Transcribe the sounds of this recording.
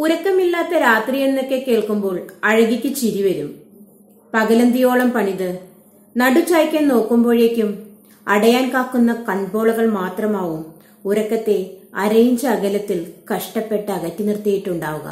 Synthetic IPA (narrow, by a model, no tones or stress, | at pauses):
uɾɐkːɐmilːaːt̪ːɐɾaːt̪rijenːokːe̞ke̞ːɭkumbo̞ːɭɐɻɐɣikʲːɨt͡ɕiɾiʋɐɾum | pɐɣɐlɐnd̪ijo̞ːɭɐmpɐɳiðɨ | nɐɽut͡ɕaːjkʲːenno̞ːkːumbo̞ːɻekʲːum | ɐɽɐjaːnkaːkːunːɐkɐɳbo̞ːɭɐɣɐɭmaːt̪rɐmaːʋum | uɾɐkːɐt̪ːe̞ɐɾɐjɲd͡ʑɐːɣɐlɐt̪ːilkɐʂʈɐpːe̞ʈːɨɐɣɐtːɨnirt̪ijiʈːuɳɖaːʋuɣɐ̰